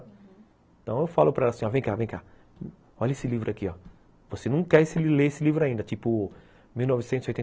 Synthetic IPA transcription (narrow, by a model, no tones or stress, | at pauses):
ẽt̪ɐ̃w̃ewfalʊpɾɐɛlɐsĩɔɾvẽj̃kavẽj̃ka | ɔʎɐesɪlivɾʊakiɔ | vosenɐ̃w̃kɛɾsɪileesɪlivɾʊaĩnd̪ɐt͡ʃipʊ | miwnɔvɪsẽt̪ʊziojt̪ẽ